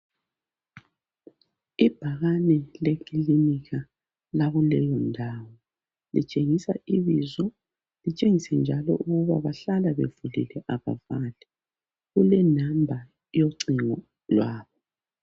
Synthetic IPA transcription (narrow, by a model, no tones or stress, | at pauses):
ib̥ʱaɣanɛlekʰiliniɣa | laɣulɛjɔndʱawɔ | lḭt͡ʃʼeŋisaiβizɔ | lit͡ʃʼeŋisɛnd͡ʒʱalɔ̰ʔuɣuβaβaɬalaβevulḭlɛʔaβa̰valɛ | ɣulɛnambʱa | joǀiŋɔ | lwaːβɔ